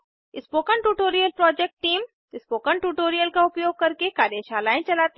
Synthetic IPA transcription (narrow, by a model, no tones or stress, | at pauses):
ɪspoːkəɳʈuːʈoːɾijəlpɾɔːd͡ʒeːk̚ʈːiːm | ɪspoːkəɳʈuːʈoːɾijəlkaʊpjoːɡ̚kɐɾkekaːɾjəʃaːlaːẽt͡ʃɐlaːt̪